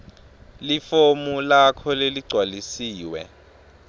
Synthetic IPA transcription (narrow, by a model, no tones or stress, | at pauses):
lifomulakʰɔleliɡ͡ǀʱwalisiːwɛ̰